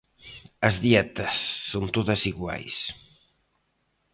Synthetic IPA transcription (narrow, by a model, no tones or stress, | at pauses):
əzðiɛt̪əsːont̪oðəsiɣwa̰js